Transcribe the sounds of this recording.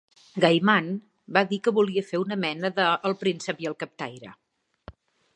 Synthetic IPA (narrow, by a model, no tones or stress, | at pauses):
ɡajman | baðikəβuliəfeunəmɛnəðəːlˠpɾinsəpiəlˠkəp̚t̪a̰jɾə̰